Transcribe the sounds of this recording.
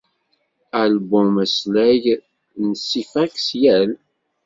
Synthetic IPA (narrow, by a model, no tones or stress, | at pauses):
ælbʊmæslæʝ | nəsːifæksjæl